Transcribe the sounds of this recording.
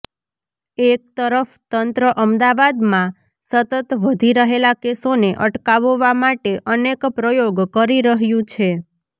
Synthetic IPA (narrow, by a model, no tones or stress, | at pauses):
ek̚t̪əɾəft̪ənt̪ɾəʔəmd̪aʋad̪mã | sət̪ət̪ʋəd̪ʱiɾəɦelakesoneʔəʈkaʋʋamaʈeʔənekpɾəjoɡkəɾiɾəɦjũt͡ʃʰe